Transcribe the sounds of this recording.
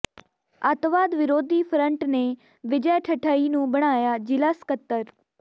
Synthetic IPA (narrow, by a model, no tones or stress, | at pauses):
at̪ʋaːd̪ʋɪɾoːd̪iːpʰɾə̃ɳʈneː | ʋɪd͡ʒəːʈʰəʈʰaːiːnũːbəɽ̃aːjaːd͡ʒɪlaskət̪ːəɾ